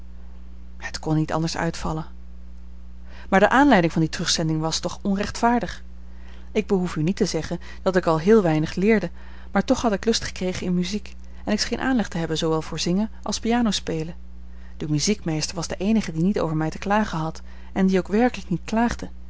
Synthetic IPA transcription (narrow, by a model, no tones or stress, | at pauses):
hətkɔnːitɑ̰ndəɹsœ̰ɥtfɑ̰lən | maːɹdəʔaːnlɛjdɪŋvɑnditrɵχsɛndɪŋʋɑstɔχɔnrɛχtfaːɹdəχ | ɪɡ̚bəɦufynitəzɛχən | d̥ɑtɪkɑlˠɦɪːlˠʋɛjnəχlɪːɹdə | maːɹtɔχɦɑtɪklɵstχə̥krejχənɪnmyzik | ɛnɪksχejnʔa̰ːnlɛχtəɦɛbənzowʋɛlˠvʊːɹzɪŋənʔɑ̰lˠspijaːnowspejlə | d̥əmyzikmejstəɹʋɑzdəʔejnəχədinito̰wvəɹmɛjtə̥klaːχəɦɑt | ɛndiowkʋɛɹkələknit̚klaːχdə